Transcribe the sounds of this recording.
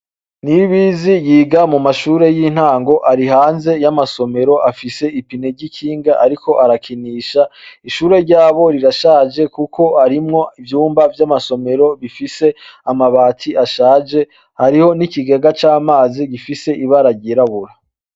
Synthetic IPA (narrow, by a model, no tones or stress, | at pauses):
niβizijiːɡamumaʃuːɾe̞jin̥haːŋɡo̞ʔaɾiɦaːnze̞jamaso̞me̞ɾo̞ʔafise̞ipine̞ɾɟikʰiːŋɡaʔaɾiko̞ʔaɾakʰiniːʃaiʃuːɾe̞ɾɟaːβo̞ɾiɾaʃaːd͡ʒe̞kukʰo̞aɾimŋo̞ivjuːmbavjamaso̞me̞ɾo̞βifise̞amaβaːtʰiʔaʃaːd͡ʒe̞ | haɾiho̞nikiɡeɡat͡ʃaːmaːziɡifise̞ʔiβaɾaɟiɾaβuɾa